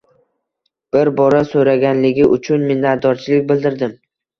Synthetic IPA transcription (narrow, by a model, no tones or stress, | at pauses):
b̥ɪɾbɒɾasoɾaɡʲanlɪɡʲɪʔʊt͡ʃʰʊnmɪnːat̪̚d̪ɒɾt͡ʃʰɪlɪk̚ʲbɪld̪ɪɾd̪ɪm